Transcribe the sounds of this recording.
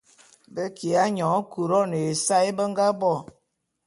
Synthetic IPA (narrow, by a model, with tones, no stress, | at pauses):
bə˦ki˨a˦ɲɔ˨˦ku˨ɾɔ˦ne˨e˨sa˦i˦bə˦ŋɡa˦bɔ˦˨